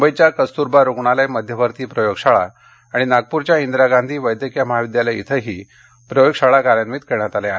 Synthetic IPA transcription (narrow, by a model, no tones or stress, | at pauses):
mbəjt͡ɕjakəst̪uɾbaɾoɡɳ̃alajməd̪ʱjəʋʱəɾt̪iːpɾəjoɡʂaɭa̰ː | ɽ̃inaɡ̚puɾt͡ɕjaind̪ɾaɡand̪ʱiːʋəjd̪ʱjəkijaməɦaʋid̪jalait̪ʰəɦiː | pɾəjoɡʂaɭakaɾjanʋiːt̪keɳjat̪aleaɦe